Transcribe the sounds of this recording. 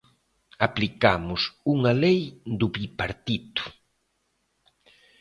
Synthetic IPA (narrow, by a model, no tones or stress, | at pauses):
aplikamʊsuŋalejd̪uβipaɾt̪it̪ʊ̥